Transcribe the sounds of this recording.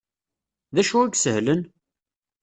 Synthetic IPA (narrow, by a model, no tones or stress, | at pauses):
ðæʃuæɡsəhlən